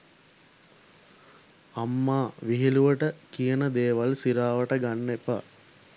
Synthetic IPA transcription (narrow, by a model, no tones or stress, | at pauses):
amːaːʋiɦiluʋəʈəkijənəd̪eːʋalsiɾaːʋəʈəɡanːepa̰